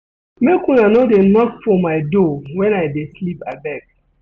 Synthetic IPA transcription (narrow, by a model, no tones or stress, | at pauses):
mekũnanɔdenɔkfɔmaɪdowɛ̃najdeslipabɛɡ̚